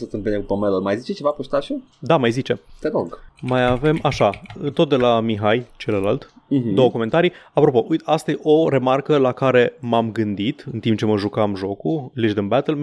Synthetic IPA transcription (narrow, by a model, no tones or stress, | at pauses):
sət̪ɨmbinekupomelumajzit͡ʃet͡ʃevapust̪aʃo | d̪amajzit͡ʃe̞t̪eɾoɡmajave̞maʃat̪o̞t̪̚d̪e̞lamiɦajt͡ʃe̞ləlalt̪ | d̪o̞wəkome̞nt̪aɾijapɾo̞po̞ʔujt̪ast̪ajeʔo̞ɾe̞markəlakaɾe̞mamɡɨnd̪it̪ɨnt̪imp̚t͡ʃe̞məʒukamʒo̞kuliʒd̪ənbæt̪əl